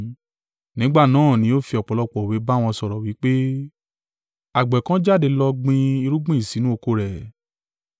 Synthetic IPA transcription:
nĩ˨˦ɡ͡ba˦˨nãː˨˦˨nĩ˨˦o˦˨fi˧ɔ˨k͡pɔ˨lɔ˧k͡pɔ˨we˨˦ba˦˨w̃ɔ̃˧sɔ˨ɾɔ˨wi˨˦k͡pe˦ | a˨ɡ͡bɛ˨kã˦d͡ʒa˦˨de˧lɔ˧ɡ͡bĩ˧i˧ɾu˦ɡ͡bũ˦i˦˨si˨˦nũ˦o˧ko˧ɾɛ˨

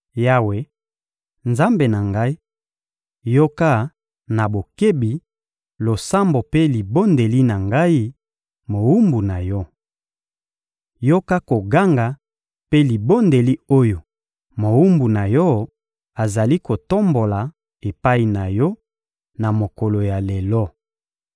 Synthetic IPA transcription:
ja˦we˨ | nza˦mbe˨na˨ŋɡa˦i˦ | jo˦ka˦ | na˨bo˨ke˦bi˨ | lo˨sa˦mbo˨pe˦li˨bo˦nde˨li˦na˨ŋɡa˦i˦ | mo˨wu˦mbu˨na˨jɔ˦ | jo˦ka˦ko˨ɡa˦ŋɡa˨ | pe˦li˨bo˦nde˨li˦o˦jo˨ | mo˨wu˦mbu˨na˨jɔ˦ | a˨za˨li˦ko˨to˦mbo˨la˨ | e˨pa˦i˨na˨jɔ˦ | na˨mo˨ko˨lo˨ja˨le˨lɔ˦

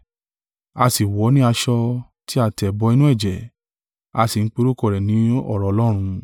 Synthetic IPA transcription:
a˧si˨wɔ˨˦nĩ˦a˧ʃɔ˧ | ti˦a˦˧˨tɛ˨bɔ˧i˧nũ˦ɛ˦˨d͡ʒɛ˨ | a˧si˨n̩˦k͡pe˧ɾo˦kɔ˦˨ɾɛ˨nĩ˨˦ɔ̰˦˨ɾɔ˨˧lɔ˦ɾ̃ũ˧

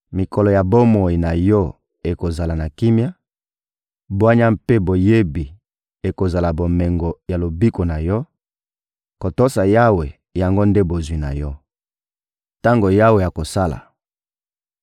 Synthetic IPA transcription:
mi˨kɔ˨lɔ˨ja˨bo˦mo˨i˨na˨jɔ˦ | e˨ko˨za˨la˨na˨ki˦mja˦ | bwa˦ɲa˦mpe˦bo˨je˦bi˨ | e˨ko˨za˨la˨bo˨mɛ˨ŋɡo˨ja˨lo˨bi˦ko˨na˨jɔ˦ | ko˨to˦sa˨ja˦we˨ | ja˨ŋɡo˦nde˦bo˨zwi˨na̰˨jɔ˦ | ta˦ŋɡo˨ja˦we˨ja˨ko˨sa˦la̰˨

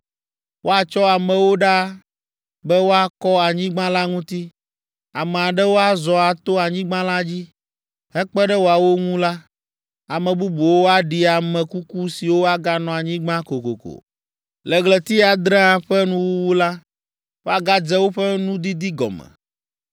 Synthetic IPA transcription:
wʔo˦a˨t͡ʃɔ˦a˨mɛ̃˨wo˦ɖa˦ | bɛ˦wo˦a˦kɔ˦a˨ɲĩ˦ɡ͡bã˦la˦ŋũ˦t̪i˦ | a˨mɛ˨a˨ɖɛ˦wo˦a˦zɔ˨a˨t̪o˦a˨ɲĩ˦ɡ͡bã˦la˦d͡ʑi˦ | ɦɛ˦k͡pɛ˦ɖɛ˦wo˦a˨wo˦ŋũ˦la˦ | a˨mɛ̃˨bu˦bu˨wo˦a˦ɖi˨a˨mɛ̃˨ku˦ku˦si˨wo˦a˦ɡa˦nɔ̃˨a˨ɲĩ˦ɡ͡bã˦ko˨ko̰˨ko̰˨ | lɛ˨ɡlɛ˨t̪i˦a˨d̪ɾɛ̃˦ã˨ɸɛ˦nũ˦wu˦wu˦la˦ | wo˦a˦ɡa˦d͡ʒɛ˦wo˦ɸɛ˦nũ˦d̪i˦d̪i˦ɡɔ̰˨mɛ̰˨

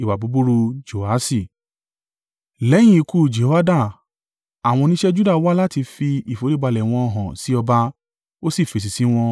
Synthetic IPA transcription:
i˨wa˨bu˨˦bu˦ɾu˧d͡ʒo˨a˦si˦˨ | lɛ˨˦j̃ĩ˦i˨˧ku˧˨d͡ʒe˨ho˦a˦da˦˨ | a˨w̃ɔ̃˧nĩ˦ʃɛ˦d͡ʒu˦da˦˨˦wa˦la˦ti˧fi˧i˨fo˨˦le˦˨ba˧lɛ˨w̃ɔ̃˧ɔ˧˨ɦã˨si˨˦ɔ˧ba˧ | o˦si˦˨fe˨˧˨s̬i˨si˨˦w̃ɔ̃˧

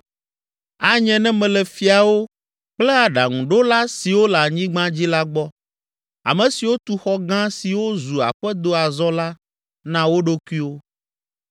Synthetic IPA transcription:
a˨ɲɛ̃˦nɛ̃˦mɛ̃˨lɛ˨fi˦a˨wo˦ | k͡plɛ˦a˨ɖa̰˨ŋũ˨ɖo˦la˦si˨wo˦la˨ɲĩ˦ɡ͡bã˦d͡ʑi˦la˦ɡ͡bɔ˦ | a̰˨mɛ̃˨si˨wo˦t̪u˦xɔ˦ɡã˦si˨wo˦zu˨a̰˨ɸɛ˦d̪o˦a˨zɔ˦la˦ | nã˦wo˦ɖo˦ku˦i˦wo˦

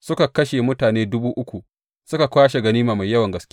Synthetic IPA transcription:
sʊ˦ka˨kɐ˦ʃe˨mʊ˦taː˨neː˦dʊ˦buː˦ʔʊ˦kʷu˨ | sʊ˦ka˨kʷaː˦ʃe˨ɡɐ˦niː˦maː˨ma˨jɐ˦wɐ˨ŋɡɐ˨skʲ

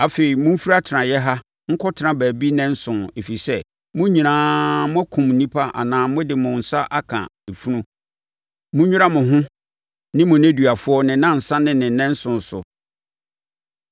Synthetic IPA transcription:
a˨fe˨i˨mʊ̃˦m̩˦fi˦ɾa˦tʰɪ˨ã˨jɛ˦ɦa˦ | ŋ̩˦kʰɔ˦tʰɪ˨˦nã˨bæː˨bi˦nɪ̃˦n̩˦sʊ̃˨ne˨fi˨i˨sɛ˦ | mʊ̃˦ɲĩ˨nãː˨˦mʊ̃˦æ˦kʰʊ̃˨mn̩˨nĩ˦pʰa˦ʔa̰˨nãː˨mʊ̃˦dɪ˨mʊ̃˨n̩˨sa˦ʔa˦kʰã̰˨e˨fu˦nũ˦ | mʊ̃˦ɲᶣʊ̃˦a˦mʊ̃˨ɦʊ̃˦ | nɪ̃˦mʊ̃˨næ̃˦dɥa˨fʊ˦ɔ˦nɪ̃˨nã˦n̩˨sã˦nɪ̃˨nɪ̃˨˦nɪ̃˦n̩˦sʊ̃˨n˨sʊ̰˨

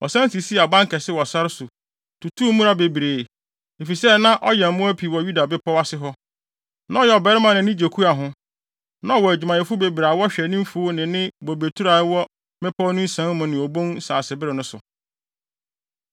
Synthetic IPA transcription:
ɔ̰˨sã˦n˦si˨si˦a˨bã˦ŋ˦kʰɛ˨sɪ˦wɔ˨sa˦ɾɪ˦sʊ˨ | tu˨tʰu˦mũ˦ɾa˦be˨bi˨ɾeː˨ | e˨fi˨sɛ˦nã˦ʔɔ˦jɛ˨m̩˨mʊ̃˦æ˦pʰi˨wɔ˨ju˦da˨bɪ˦pʰɔ˦wa˦sɪ˦ɦɔ˦ | nã˦ɔ˦jɛ˨ɔ˨bɛ˦ɾɪ˦mã˨nɪ̃˨nɪ̃˦d͡ʑe˨kʰu˦a˨ɦʊ̃˦ | nã˦wɔ˨æ˨d͡ʑᶣu˨mã˨jɛ˨fʊ˦be˨bi˨ɾa˨˦wɔ˦ɕᶣɛ˨nĩ˦m˦fu˦nɪ̃˨nɪ̃˦bo˨be˨tʰu˦ɾa˨˦wɔ˦ | mɪ̃˦pʰɔ˦nʊ̃˦n̩˦sã˨˦nmʊ̃˨nɪ̃˨ɔ˨bõ˦n˦saː˨sɪ˨bɪ˦ɾɪ˨nʊ̃˦sʊ̰˨

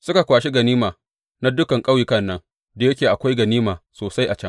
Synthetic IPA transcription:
sʊ˦ka˨kʷaː˨ʃe˦ɡɐ˨niː˦maː˨ | na˦dʊ˦kɐ˨ŋkʼa˦wjɪ˦kɐ˦˨nːɐ˦ŋ | da˨jɐ˦kʲeː˨ʔa˨kʷa˦jɡɐ˨niː˦maː˨soː˨sa˦jʔa˨t͡ʃɐ˦ŋ

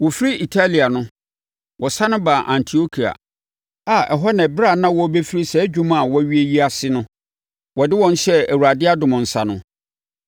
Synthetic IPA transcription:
wɔ˨fi˦ɾi˦i˨tʰa˦li˨a˨nʊ̃˦ | wʔɔ˨sa˦nʊ̃˦ba˨ʔã˨ntʰi˨o˦kʰi˨a̰˨ | a˨ʔɛ˨ɦɔ˦nɛ̃˨bɾa˦˨nã˦wɔ˦be˦fi˦ɾi˦sɛ˨˦d͡ʑᶣũ˦ma˦˨wɔ˦ɥi˦e˦ji˦a˦sɪ˦nʊ̃˦ | wɔ˨dɪ˦wɔ̃˦n˦ɕɛ˦æ˨wu˨ɾa˨dɪ˦a˦dʊ˨mʊ̃˨n̩˨sa˨nʊ̃˦

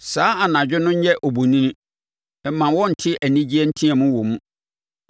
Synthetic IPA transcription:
saː˨˦a˨nã˨d͡ʑᶣɪ˦nʊ̃˦ɲ˦jɛ˦ʔɔ˨bu˨nĩ˦nĩ˦ | ɛ˨˦mã˨wɔ˦n̩˨tʰɪ˦ʔæ˨nĩ˦d͡ʑi˦ɛ˦n̩˦tʰĩ˦ɛ˨mũ˦wɔ˨mũ˦

